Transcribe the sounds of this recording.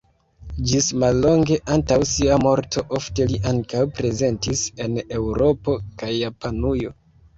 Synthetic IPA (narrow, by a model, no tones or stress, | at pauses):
d͡ʒismalːo̞ŋɡe̞ʔantawsiamo̞ɾtʰo̞ʔo̞fte̞liʔaŋkawpɾe̞ze̞ntise̞ne̞wɾo̞po̞kajːapanujo̞